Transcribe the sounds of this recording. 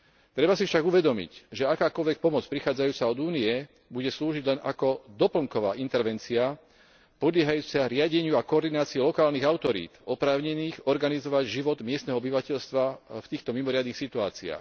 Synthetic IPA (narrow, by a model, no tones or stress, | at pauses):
t̪ɾɛbasifʃaɡuʋɛd̪ɔmḭcʒɛakaːkɔlʋɛk̚pɔmɔt͡spɾixaːd͡zajuːt͡saɔd̪uːnijɛ | buɟɛsluːʒiɟlɛna̰kɔd̪ɔpl̩ŋkɔʋa̰ːʔint̪ɛɾʋɛnt͡sia | pɔd̪lʲɪɛɦajuːt͡saɾɪaɟɛɲɪuakɔːɾd̪inaːt͡siɛlɔkaːlniɣaʊt̪ɔɾḭːt̪ɔpɾaːʊɲɛniːɣɔɾɡanizɔʋaɟʒiʋɔd̪mɪɛst̪nɛɦɔɔbiʋacɛʎst̪ʋaft̪iːxt̪ɔmimɔɾɪad̪nixsit̪ua̰ːt͡sia̰ːx